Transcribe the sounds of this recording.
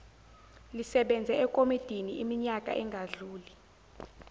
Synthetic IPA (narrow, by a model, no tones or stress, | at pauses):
lisɛɓɛnd͡zʱɛɛkʼomid̥ʱiniimiɲakʼa̰ʔɛŋɡʱaɮuːli